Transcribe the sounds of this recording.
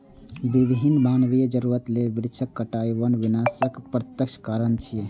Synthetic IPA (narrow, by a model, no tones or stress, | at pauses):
bibɦinmaːnʋijəd͡ʒəɾuɾət̪lebiɾt͡ʃʰəkːəʈaːjʋənʋinaːsəkpɾət̪jəkʃʰkaːɾənt͡ʃʰije